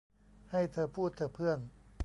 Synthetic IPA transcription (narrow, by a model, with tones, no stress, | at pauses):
ha˥˩jt̪ʰɤː˧pʰuː˥˩t̪̚ʰɤː˧pʰɯ˥˩ən